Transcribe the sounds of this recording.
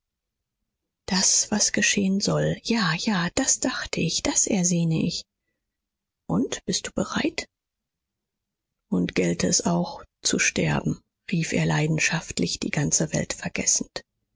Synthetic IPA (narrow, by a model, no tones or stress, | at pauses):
d̥asv̥asɡ̥əʃeːənzɔljaːjaːd̥asd̥aχtʰəɪçd̥asʔɛɐzeːnəʔɪç | ʔʊntb̥ɪst̚d̥uːbəʁaɪt | ʔʊntɡ̥ɛltʰəɛsaʊxt͡suʃtɛɐbm̩ | ʁiːfeːɐlaɪdn̩ʃaftlɪçd̥ḭːɡant͡səvɛ̰ltfɛɐɡɛ̰sn̩t